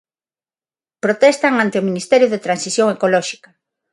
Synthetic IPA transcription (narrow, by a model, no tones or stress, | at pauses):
pɾot̪ɛst̪aŋant̪eominist̪ɛɾjʊðet̪ɾansiθjoŋekolɔʃi̥kɐ